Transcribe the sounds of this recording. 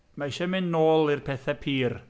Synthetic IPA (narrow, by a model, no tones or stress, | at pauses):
maɪʃɛmɪnːoːlˠirpʰɛθapʰiːr